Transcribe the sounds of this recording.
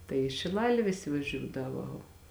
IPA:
tɐɪ ɪ ʃʲɪˈlˠɑːlʲeː ˈʋʲɪsʲɪ ʋɐˈʒʲuːdɐʋoː

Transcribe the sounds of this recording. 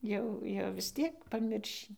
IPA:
ˈjɛʊ jɛʊ ʋʲɪs ˈtʲiɛk pɐˈmʲɪrʲʃʲiː

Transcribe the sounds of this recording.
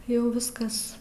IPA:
ˈjɛʊ ˈʋʲɪskɐs

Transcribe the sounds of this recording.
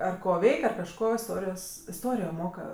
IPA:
ˈɐr ˈkoː ˈʋʲɛɪkʲ ɐr kɐʃˈkoː ɪˈstoːrʲɪjoːs ɪˈstoːrʲɪjoː ˈmoːkɐ

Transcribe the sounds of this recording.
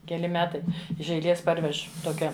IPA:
kʲɛˈlʲɪ ˈmʲæːtɐɪ ɪʃ ɛɪˈlʲeːs ˈpɐrʲʋʲɛʃ ˈtoːkʲɛ

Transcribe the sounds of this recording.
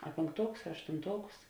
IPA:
ɐ pʲeːŋkˈtuɔkʊs ɐ ɐʃtʊnˈtuɔkʊs

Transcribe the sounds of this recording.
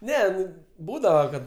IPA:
ˈnʲɛ ˈnʊ ˈbuːdɐʋɐ kɐt

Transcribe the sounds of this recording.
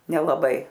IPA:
nʲɛlˠɐˈbɐɪ

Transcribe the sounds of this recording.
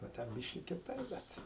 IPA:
oː ˈtʲɛn ˈbʲɪʃʲkʲɪ kʲɪˈtɐɪp ˈbʲɛt

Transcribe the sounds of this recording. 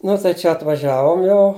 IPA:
ˈnʊ tɐɪ ˈt͡ʃʲɛ ɐtʋɐˈʒʲæːʋoːm ˈjɛʊ

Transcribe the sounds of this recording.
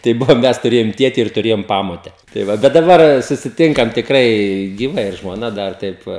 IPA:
tɐɪ ˈbʊʋoː ˈmʲɛs tʊˈrʲeːjoːm ˈtʲiɛtʲɪ ɪr tʊˈrʲeːjoːm ˈpɑːmoːtʲɛ tɐɪ ˈʋɐ bʲɛt dɐˈbɐr sʊsʲɪˈtʲɪŋkɐm tʲɪkˈrɐɪ ɡʲiːˈʋɐ ɪr ʒmoːˈnɐ ˈdɐr ˈtɐɪp ʋɐ

